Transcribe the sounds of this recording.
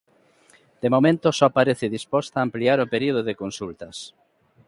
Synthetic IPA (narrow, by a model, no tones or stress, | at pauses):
d̪̥emomẽnt̪osɔpaɾeθɪðispɔst̪aːmpliaɾopeɾioð̞oðekonsult̪ɐs